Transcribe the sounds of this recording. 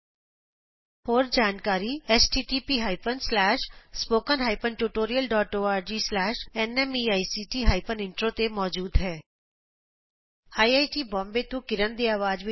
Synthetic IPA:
hoːɾd͡ʒaːnkaːɾiːɛːsʈiːʈiːpiːɦaːipənslɛːʃspoːkənɦaːɪpənʈuːʈoːɾijəlɖɔːʈoːaːɾd͡ʒiːslɛːʃɛnɛmiːaːisiːʈiːɦaːɪpənɪ̃ɳʈɾoːt̪emɔːd͡ʒuːd̪ɦɛː | haːiaːiʈiːbɔ̃ːmbet̪ũkɪɾənd̪iːaːʋaːd͡ʒʋi

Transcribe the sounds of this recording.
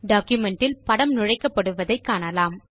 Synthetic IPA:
ɖaːkjʊmɛɳʈɪlpɐɽɐmnʊɻɐɪkːɐpːɐɽɯʋɐðɐɪkːaːɳɐlaːm

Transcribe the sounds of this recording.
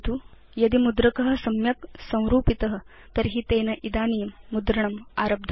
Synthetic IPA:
t̪u | jɐd̪imud̪ɾɐkɐɦɐ̆sɐmjɐksɐ̃w̃ɾuːpit̪ɐɦɐ̆ | t̪ɐɾɦit̪eːnɐʔid̪aːnijɐmːud̪ɾɐɳɐmaːɾɐb̚d̪ʱɐ

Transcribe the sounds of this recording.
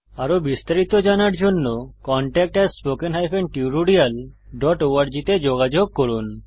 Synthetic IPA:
aɾobist̪aɾit̪od͡ʑanaɾd͡ʑonːokɔɳʈɛk̚ʈɛspokenɦajfeɳʈiɾuɖial | ɖɔʈoaɾd͡ʑit̪ed͡ʑoɡad͡ʑoɡ̚koɾun

